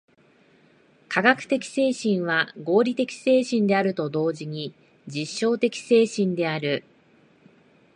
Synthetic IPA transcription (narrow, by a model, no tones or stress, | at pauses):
kʰaɡakɯ̟̥t̪e̞kʲi̥se̞ːɕĩɰ̃βaɡo̞ːɾʲit̪e̞kʲi̥se̞ːɕĩnd̪e̞aɾɯ̟t̪o̞d̪o̞ːʑiɲ̟i | d͡ʑiɕːo̞ːt̪e̞kʲi̥se̞ːɕĩnd̪e̞aɾɯ̟